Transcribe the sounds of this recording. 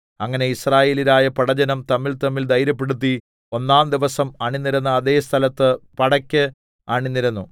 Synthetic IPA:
ɐŋːɐne̞israːje̞ːlilaːjɐpɐɽɐd͡ʑɐnɐmt̪ɐmːilt̪ɐmːild̪ɐjɾɐp̬ːe̞ɽut̪̬ːi | o̞nːaːnd̪iʋɐsɐmaːɳinːiɾunːɐːðe̞ːst̪ʰɐlɐt̪ːɨpɐɽɐkʲːɨ | aːɳinːiɾunːu

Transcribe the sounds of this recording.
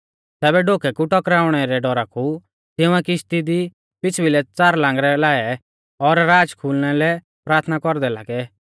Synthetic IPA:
t̪ɛːbɛɖoːkʰɛkuʈɔkɾaːʊɽ̃ɛɾɛɖɔɾaku | t̪ɪʊ̃ɛkɪst̪id̪i | pɪt͡sʰbilɛt͡saːɾlãːŋɡɾɛlaːɛ | ɔɾːaːd͡ʒkʰuːlñɛlɛ | pɾaːɾt̪ʰnakɔɾd̪ɛlaːɡɛ

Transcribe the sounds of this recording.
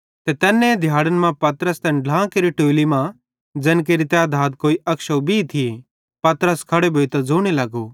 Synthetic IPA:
t̪et̪ɛːnːẽed̪ʱjaːɽənmãpɐt̪ɾəst̪ɛ̃nɖlãːkeɾiʈoːlimã | d͡zɐːnk̬eːɾit̪jad̪ʱaːt̪̚koːiʔɐkʃɐbʱit̪ʰi | pɐt̪ɾəskʰɐɽebʱoːit̪ɐd͡zoːɽ̃ilɐɡo

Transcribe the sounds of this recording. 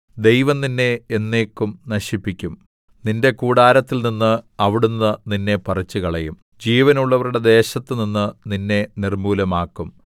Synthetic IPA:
d̪e̞jʋɐmninːe̞ːnːe̞ːkːumnɐɕipːikʲːum | ninde̞kuːɽaːɾɐt̪ːilninːɨɐʋiɽunːɨninːe̞pɐrɐt͡ɕːukɐɭɐjum | d͡ʑiːʋɐnuɭːɐʋɐruɽe̞d̪e̞ːɕɐt̪ːɨninːɨninːe̞nirmuːlɐmaːkːum

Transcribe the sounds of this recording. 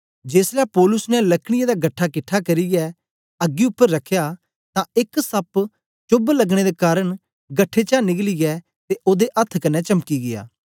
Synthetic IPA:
d͡ʒeːslɛːpɔːlʊsnɛlɐkʰɽ̃ɪjãd̪aːɡɐʈʰːakɪʈʰːakɐɾiɡɛː | ɐɡːiʊpːəɾːɐkʰːjaː | t̪ãɪksɐp | t͡ʃʊblɐɡɽ̃ed̪ekaːɾəɳ̃ | ɡɐʈʰːet͡ʃaːnɪɡliɡɛː | t̪eʔoːd̪eʔɐt̪ʰkɐnːɛt͡ʃɐmkiɡɪja̰ː

